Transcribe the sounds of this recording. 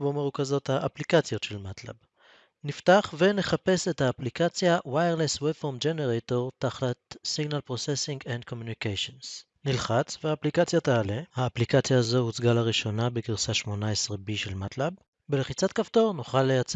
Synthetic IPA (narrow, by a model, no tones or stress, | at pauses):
bomeʁukazo̞thaʔːplikat͡sjotʃelmatla̰b | niftaχve̞ne̞χape̞se̞thaːplikat͡sjawajeʁleswefomd͡ʒeneʁeto̞ʁtaχlatsiɡnalpʁosesiŋɡend̚ko̞mjunikejʃons | nilχat͡sveaːplikat͡sjataːlehaːplikat͡sjaːzo̞hut͡sɡalaʁiʃo̞nabekiʁsaʃmo̞naesʁebiʃe̞lmatlab | beleχit͡satkafto̞ʁnoχalːejat͡s